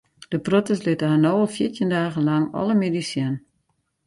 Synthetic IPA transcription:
d̥əprotəslɪtəɦanoːlˠfjɪtjəndaːɣəlaŋɔ̰ləmedisjɛn

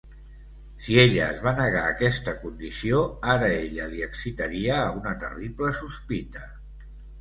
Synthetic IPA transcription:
sieʎəːzβanəɣ̞aːkɛst̪əkund̪isioaɾəeʎəliəksit̪əɾiəːunət̪ə̰ripləsuspit̪ə

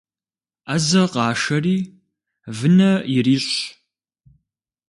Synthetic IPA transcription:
azɐqɑːʂɐriː | vɨnɐjɪriːɕ

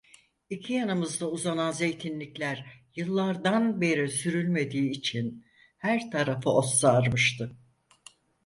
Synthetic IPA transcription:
icʰijanɯmɯzd̪auzananze̞jt̪ʰinlʲiclʲæɾjɯlˠːaɾd̪anbe̞ɾisyɾylʲme̞d̪iːt͡ʃʰin | hæɾt̪ʰaɾafɯosːaɾmɯʃt̪ʰɯ

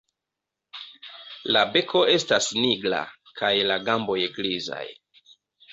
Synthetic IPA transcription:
labe̞kʰo̞e̞stasniɡla̰ | kʰajlaɡambo̞jɡliza̰j

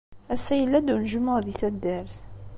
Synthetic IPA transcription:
æsæjəlːæd̪unʒəməʁðiθæd̪ːæɾθ

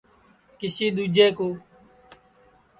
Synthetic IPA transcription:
kɪsiːɗ̪uːd͡ʒeːkoː

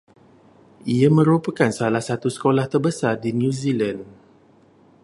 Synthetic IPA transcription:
iamə̃ɾupəkansalahsat̪usə̥kolaht̪ərbəsardinjũzilan

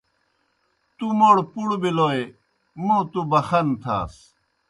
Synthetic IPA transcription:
t̪umoːɽpuɽbiloːe | mõt̪ubɐxɐnt̪ʰa̰ːs

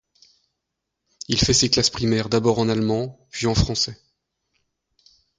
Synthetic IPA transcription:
ilfɛseklaspχimɛʁd̪abɔʁɑ̃nalmɑ̃pɥiɑ̃fχɑ̃sɛ

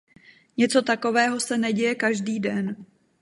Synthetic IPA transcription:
ɲɛt͡sot̪ako̞vɛːɦo̞sɛnɛɟɛjɛkaʒdiːdɛn

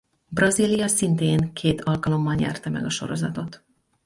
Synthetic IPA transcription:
brɒziːlijɒsint̪eːŋkʰeːt̪ʰɒlkɒlo̞mbɒnɲɛ̰rt̪ɛmɛ̰ɡɒʃo̞̰ɾo̞zɒt̪o̞t̪

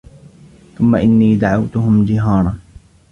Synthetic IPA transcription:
θʊmːaʔɪnːiːd̪aʕawt̪ʊɦʊmd͡ʒɪɦɑːɾˤɑn

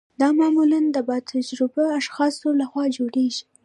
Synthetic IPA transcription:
d̪̥ɑmɑmuland̪əbɑt̪ʰad͡ʒɾɪbaaʃxɑsolaxwɑd͡ʒoɽeʒi̥

